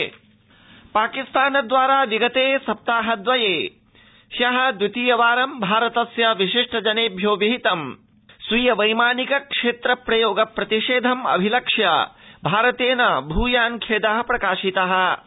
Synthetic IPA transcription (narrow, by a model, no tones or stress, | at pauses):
paːkist̪aːnɐd̪ʋaːɾaːʋiɡɐt̪eːsɐp̚t̪aːɦɐd̪ʋɐjeː | ʃjɐɦɐ̆d̪ʋit̪iːjɐʋaːɾɐmbʱaːɾɐt̪ɐsjɐʋiʃiʂʈɐd͡ʒɐneːbʱjoːʋiɦit̪ɐm | sʋijɐʋɐjmaːnikɐkʂeːt̪ɾɐpɾɐjoːɡɐpɾɐt̪iʂeːd̪ʱɐmɐ̰bʱilɐkʂjɐ̰bʱaːɾɐt̪eːnɐbʱuːjaːnkʰeːd̪ɐɦɐ̆pɾɐkaːʃit̪ɐɦɐ̆